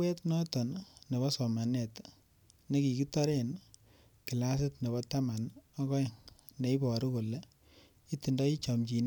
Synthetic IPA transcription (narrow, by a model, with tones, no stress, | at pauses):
we˦tnɔ˦tɔ˨nne˨βɔ˦sɔ˨ma˨ne˨t | ne˦ki˨ki˦tɔ˦ɾe˦n | ki˨la˦s̬ɪ˦tne˨βɔ˦ta˦ma˨nɔ˦kɔ˦jŋ | ne˨˦i˦bɔ˨ɾu˦ko˨le˦ | i˦ti˨ndɔ˦i˦t͡ʃɔ˨mt͡ʃi˨n˦